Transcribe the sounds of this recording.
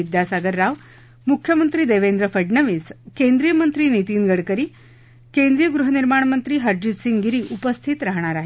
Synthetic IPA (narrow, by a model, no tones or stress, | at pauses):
id̪jasaɡəɾːaʋ | mukʰjəmənt̪ɾiːd̪eʋend̪ɾəfəɖɳəʋiːskend̪ɾijəmənt̪ɾiːnit̪iːnɡəɽkəɾiː | kend̪ɾijəɡɾuɦəniɾmaɳ̃mənt̪ɾiːɦəɾd͡ʑit̪siŋɡɡiɾiːʔupəst̪ʰit̪ɾaɦɳ̃aɾaɦe